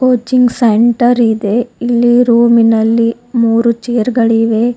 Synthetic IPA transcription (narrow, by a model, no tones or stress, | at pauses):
koːt͡ʃiŋɡseɳʈɐɾid̪eilːiɾuːminɐlːi | muːɾut͡ʃeːɾɡɐɭiʋe